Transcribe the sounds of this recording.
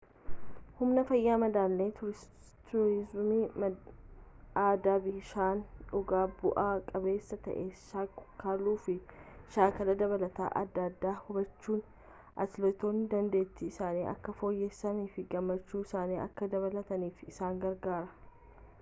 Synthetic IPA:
hʊmnɐfɐjːaːmɐd̪aːlːeːt̪ʊɾɪ | t̪ʊɾɪzmim | aːd̪aːbɪʃaːnᶑʊɡaːbʊʔaːkʼɐbe̞ːsːɐt̪ɐ̰ʔeːʃaːkʊkaːluːfɪʃaːkɐlɐd̪ɐβɐlɐt̪a̰ːʔɐ̰d̪ːɐd̪ːaːhʊbɐt͡ʃːuːn | ʔɐ̰t̪lɔt̪o̞ːnːɪd̪ɐnd̪e̞ːt̪ːɪːsaːniːɐ̰kːɐfo̞ːjːeːsːɐniːfɪɡɐmːɐt͡ʃːuːɪsaːniːʔɐ̰kːɐd̪ɐβɐlɐt̪ɐniːfɪsaːŋɡɐɾɡaːɾɐ̥

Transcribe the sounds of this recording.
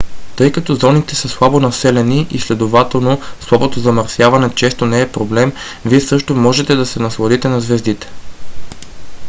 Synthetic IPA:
t̪ɤjkɐt̪ɔzɔnit̪ɛsəslˠabonɐsɛlɛniʔislɛd̪ovat̪ɛlˠnoslˠabot̪ozɐmɐɾsjavɐnɛt͡ʃɛst̪onɛːpɾoblɛm | viɛsɤʃt̪omɔʒɛt̪ɛd̪ɐsɛnɐslˠɐd̪it̪ɛnɐzvɛzd̪it̪ɛ̥

